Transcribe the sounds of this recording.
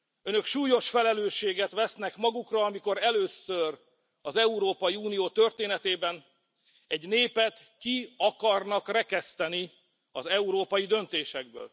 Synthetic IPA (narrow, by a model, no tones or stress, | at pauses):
ønø̞kʃuːjo̞ʃfɛlɛløːʃːeːɡɛt̪ʋɛsnɛkmɒɡukrɒɒmiko̞ɾɛløːsør | ɒzɛuɾoːpɒjiuːnijoːt̪ø̞rt̪eːnɛt̪eːbɛn | ɛɟneːpɛt̪ | kiɒkɒrnɒkrɛkɛst̪ɛni | ɒzɛuɾoːpɒjid̪ø̞nt̪eːʃɛɡ̚bø̰ːl